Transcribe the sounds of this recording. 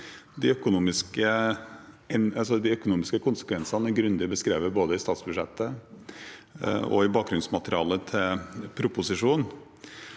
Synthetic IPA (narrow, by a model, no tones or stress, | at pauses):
d̪ɪœkʊnuːmɪskə | ɛnɑsɔd̪ɪœkʊnuːmɪskəkʰʊnsə̥kʰʋɛnsɑnəɡɾʉnd̪ɪbəskɾeːʋəɾboːd̪əɪst̪ɑːt̪sbʉd̪ʂɛt̪ːə | ɔ̰ɪbɑːk̚ɡɾʉnsmɑt̪əɾɪɑːlət̪ʰɪlpʰɾʊpʊsɪʂuːn